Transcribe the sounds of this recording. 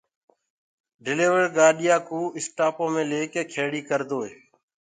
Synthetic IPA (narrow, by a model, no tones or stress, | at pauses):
ɖɪleːʋəɾɡaːɗɪjaːkuːɪsʈaːpõːmẽːleːkeːkʰeːɽiːkəɾd̪oːeː